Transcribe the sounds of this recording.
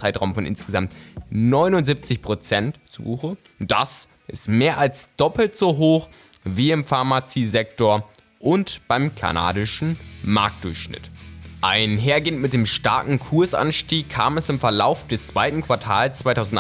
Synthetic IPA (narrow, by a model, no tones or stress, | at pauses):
aɪtʁaʊmfɔnʔɪ̰nsɡ̥əzamtnɔʏnʊntzip̚t͡sɪçpʁ̥ot͡sɛntt͡sṵbuːxə | d̥a̰s | ʔɪstmeːɐʔalsd̥ɔpl̩tz̥oɦoːx | viːɪmfaɐmat͡siːzɛk̚toːɐ | ʔʊntb̥aɪmkʰa̰na̰ːdɪʃn̩ma̰ɐk̚td̥ʊɐçʃnɪ̰tʔaɪnɦeːɐɡeːəntmɪt̚d̥eːmʃta̰ɐkŋ̩kʰʊɐsʔa̰nʃtiːkʰːa̰ːmɛsɪmfɛɐla̰ʊfd̥ɛst͡sv̥aɪtn̩kv̥aɐtʰaːlst͡sv̥aɪtʰaʊzn̩t